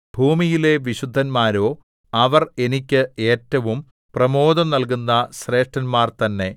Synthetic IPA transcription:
bʱuːmijile̞ʋiɕud̪ʱːɐnmaːɾo̞ː | ɐʋɐre̞nikʲːɨe̞ːtːɐʋum | prɐmo̞ːd̪ɐmnɐlkunːɐɕre̞ːʂʈɐnmaːrt̪ɐnːe̞

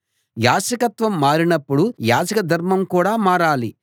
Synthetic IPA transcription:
jaːsɐkɐt̪ʋɐmːaːɾinɐpːuɽujaːd͡ʒɐkɐd̪ʱɐɾmɐmkuːɽaːmaːɾaːli

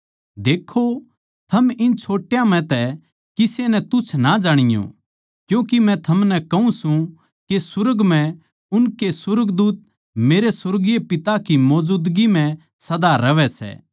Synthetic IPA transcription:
d̪eːkʰːo | t̪ʰɐmɪnt͡ʃʰoːʈjãm̤ɛ̃t̪ɛ | kɪsenɛ̃t̪ʊt͡ʃʰnad͡ʒaːɽ̃ɪjõ̰ | kjũːkimɛ̃t̪ʰɐmnɛkɐũsũ | kesʊɾəɡmɛ̃ | ʊnkesʊɾəɡd̪uːt̪̚ | meːɾesʊɾɡijepɪt̪akimɔːd͡ʒuːd̪ɡimɛ̃ | sɐd̪aɾɐʋɛsɛ̰ː

